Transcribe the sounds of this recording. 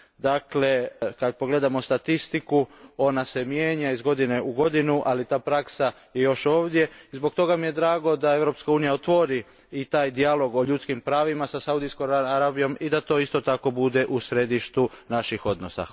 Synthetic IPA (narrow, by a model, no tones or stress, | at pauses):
d̪akle̞kad̪̚po̞ɡle̞d̪amo̞st̪at̪ist̪ikuo̞nase̞mjeːɲaizɡo̞d̪ine̞uɡo̞d̪inuʔalit̪aːpɾaksa | je̞jo̞ʃo̞ːʋd̪je̞izbo̞ɡ̚t̪o̞ɡamije̞d̪ɾaːɡo̞d̪ae̞ʋɾo̞pskauːnijaot̪ʋo̞ɾi | it̪aːjd̪ialo̞ɡo̞ʎut̪skimpɾaːʋimasasaud̪iskoaɾabijo̞mid̪at̪o̞ːist̪o̞t̪ako̞bud̪e̞ʔusɾe̞d̪iʃt̪u | naʃixo̞d̪nosa̰